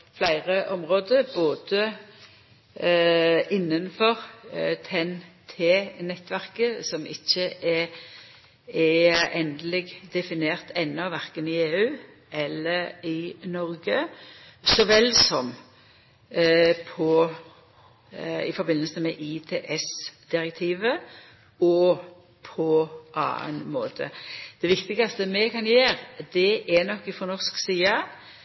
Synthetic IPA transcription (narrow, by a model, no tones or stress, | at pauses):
flæɪʁəʔɔmʁoːd̪əʁboːd̪ə | ɪnːənfɔʁt̪ʰɛnt̪ʰeːnɛt̪ːʋæʁkəsɔmʔɪçːəɛ | ɛɛnd̪əlɪɡd̪ɛfɪneːʁt̪ʰɛnːɔʋæʁkənɪeːʉː | ʔɛlːəɪnɔɾɡə | sɔʋɛlːsɔm | pʰɔ | ɪ̰fɔɾbɪnːəlsəmɛʔɪit̪ʰeːʔɛsd̪̥ɪɾək̚t̪ʰiːʋə | ɔ | pʰɔʔɑ̰ːə̰nmoːt̪ʰə̰d̪̥ɛʋɪkt̪ɪɡɑst̪əmɛkʰɑnjeːɾd̪ɛʔænɔkːɪfɔnɔʁsksiːɑ